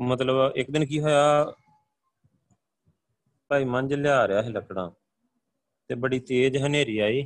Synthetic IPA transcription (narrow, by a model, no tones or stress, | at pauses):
mət̪ləbɪkd̪ɪnkiːɦoːjaː | paːiːməɲd͡ʒljaːɾejaːɦeːləkɽãː | t̪eːbəɽiːt̪eːd͡ʒɦəneːɾiːaːiː